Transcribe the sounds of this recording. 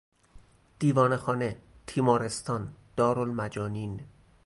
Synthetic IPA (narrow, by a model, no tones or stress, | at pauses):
d̪̥iːvɒːnexɒːne̞t̪ʰiːmɒːɾest̪ʰɒːnd̪̥ɒːɾolmæd͡ʒɒːniːn